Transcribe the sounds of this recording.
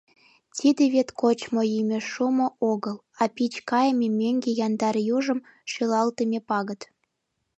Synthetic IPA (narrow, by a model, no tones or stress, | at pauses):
tʲid̪eβet̪kot͡ɕmoimʲeʃumŏʔoɣəlˠ | ɑpʲit͡ɕkɑjəmʲemʲeŋɡejɑnd̪ɑrjuʒə̆m | ʃelɑlt̪əmʲepɑɣə̆t̪